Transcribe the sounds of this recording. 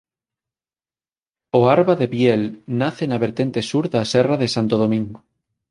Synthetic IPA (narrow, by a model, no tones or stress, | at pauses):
oaɾβaðeβjɛlnaθenaβeɾt̪ent̪esuɾðasɛraðesant̪oð̞omĩŋɡo